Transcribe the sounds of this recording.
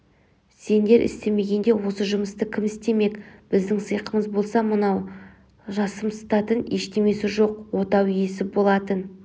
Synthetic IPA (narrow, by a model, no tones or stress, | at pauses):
se̞nd̪e̞ɾʔɪ̰st̪e̞me̞ɡʲe̞nd̪e̞wo̞səʒʊməst̪əkʲʰɪmɪst̪e̞me̞kb̥ɪzd̪ɪŋsəjqəməzbo̞lˠsɑmənɑw | ʒɑsəmsə̥t̪ɑt̪əneʃt̪e̞me̞sɪʒo̞qwo̞t̪ɑwjesɪbo̞lˠɑt̪ən